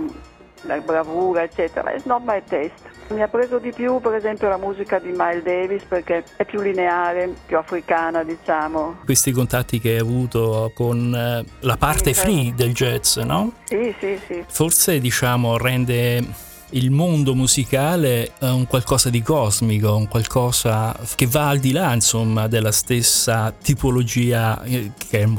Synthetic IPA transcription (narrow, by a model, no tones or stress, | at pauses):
labɾavuːɾaet͡ʃːɛːt̪eɾa̰ɛ̰snɔmːajt̪ɛst̪miapːɾeːzod̪ipjupeɾezɛmpjolamuːzikad̪imajld̪ɛːvisperkeɛpːjulːineaaːɾepjuafɾikaːnad̪it͡ʃaːmokwest̪ikont̪at̪ːik̟eɛjavuːt̪okonlapart̪efɾid̪eld͡ʒɛt̪snɔsisisiforsed̪it͡ʃaːmorɛnd̪e | ilmond̪omuzikaːleuŋkwalkɔːzad̪ikɔːzmikouŋkwalkʰɔːzak̟evːaːld̪ilainsomːad̪elːast̪esːat̪ipolod͡ʒiːakʰeɛ